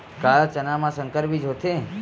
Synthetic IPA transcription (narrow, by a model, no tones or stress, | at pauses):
kalt͡ʃənamãsə̃ŋkəɾpid͡ʒɦot̪ʰe